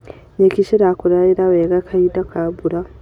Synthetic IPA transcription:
ɲekiʃiɾakuɾaiɾaweɡakʰaidakʰabuɾa

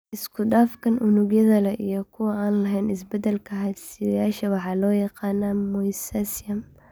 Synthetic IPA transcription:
ʔɪskʰʊdaːfkʰɐnʔʊnʊɡjɐðɐlɛʔijɔkʰʊwɐʔaːnlɐɦɛjnɪs̬bɛd̪ɛlkʰɐɦɐd̪sɪjaːʃɐwɑħɑːlɔːjɑqɑːnɐmɔjsasɐm

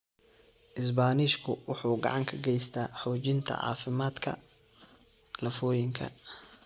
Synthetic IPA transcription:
ʔɪs̬baːniʃkʰʊwʊħuːɡɑ̰ʕɑŋkʰɐɡɛjst̪ʰaːħɔːt͡ʃɪnt̪ʰɐ̰ʕɑ̰ːfɪmaːd̪kʰɐ̰ | lɐfɔːjɪŋkʰɐ̰

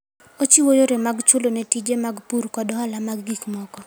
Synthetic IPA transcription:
ot͡ʃiwojoɾemaɡt͡ʃʊlonetid͡ʒemaɡpuɾkɔdɔhalamaɡɡikmɔkɔ

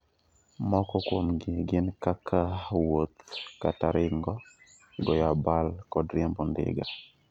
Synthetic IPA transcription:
mɔkɔkwomɡɪɡɪnkakʰawot̪kataɾɪŋɡɔ | ɡɔjabalkɔdɾembɔndɪ̰ɡa

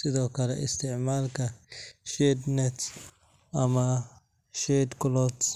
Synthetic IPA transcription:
sɪðɔːkʰɐlɛ̰ʔɪ̰st̪ʰɪʕmaːlkʰɐʃɛd̪nɛt̪ | ʔɐmɐ | ʃɛːd̪kʊlɔt̪

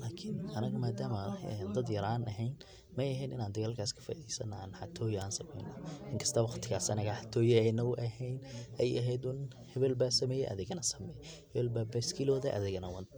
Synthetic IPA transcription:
laːkʰɪnɐnɐɡmaːd̪aːmɐɛnd̪ɐd̪jɐɾaːnʔɐɦɛjn | mɛjɐɦɛjnɪnaːnd̪ɐɣaːlkʰaːskʰɐ̥fɐ̰ðisɐnaːnħat̪ʰɔːjaːnsɐmɛ̰jnɔʔɪŋkʰɐ̥st̪ʰɐwɑqt̪ʰɪɣaːsɐnɐɣɐħat̪ʰɔːjɛɛjnɐɣʊʔɐɦɛjnɛjɐɦɛjd̪ʊn | hɛβɛlbaːsɐmɛːjɛʔɐ̰ðɪɣɐnɐsɐmɛj | hɛβɛlbaːbɛskʰɪlɔːðɐʔɐ̰ðɪɣɐnɐwɐnt̪

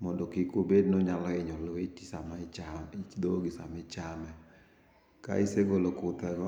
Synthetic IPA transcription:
mɔndɔkikobednoɲalɔɪɲɔlwet͡ʃisamat͡ʃaɪt͡ʃd̪oɡɪsa̰mɪt͡ʃamɛ | ka̰ɪseɡolokʊt̪ɛɡɔ

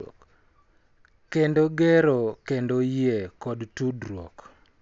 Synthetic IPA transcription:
kendoɡɛɾokendojekɔdtudɾwɔ̰k

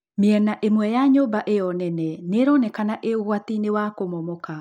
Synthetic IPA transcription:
meɛnaʔemwɛjaɲoːmbaʔejɔnɛnɛneɾɔnɛkanaʔeoɣwat̪inewakomɔmɔka

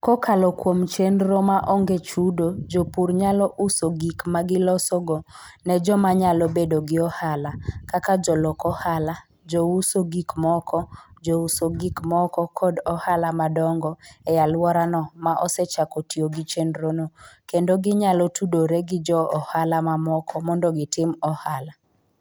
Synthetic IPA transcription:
kɔkʰalɔkwomt͡ʃendɾomaʔɔŋɡet͡ʃudod͡ʒopuɾɲalɔʔusoɡikmaɡɪlɔsoɡɔnɛd͡ʒɔmaɲalɔbedoɡɪɔhalakakad͡ʒɔlɔkɔhala | d͡ʒousoɡikmɔkʰɔd͡ʒousoɡikmɔkɔkʰɔdɔhalamadɔŋɡɔɛjalwɔɾanɔmaʔɔsɛt͡ʃakɔtioɡit͡ʃenɾonokendoɡɪɲalɔtudoɾeɡɪd͡ʒɔɔhalamamɔkʰɔmɔndoɡɪtɪmɔhala

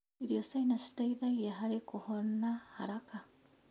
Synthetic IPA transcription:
iɾiosainasi̥taiðaɣiaɦaɾikuhonahaɾaka

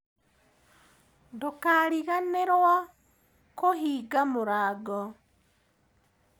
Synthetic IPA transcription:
ndokaɾiɣaneɾwa | kohiːɡamuɾaːɡo

